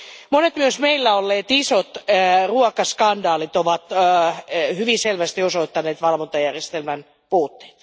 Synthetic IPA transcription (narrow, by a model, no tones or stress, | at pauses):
monet̪myøsmeilːæolːeːt̪isot̪ruɑkɑskɑndɑːlit̪oʋɑt̪ | hyʋiselʋæst̪iosoit̪ːɑneːt̪ʋɑlʋont̪ɑjærjest̪elmæn | puːt̪ːe̥ːt̪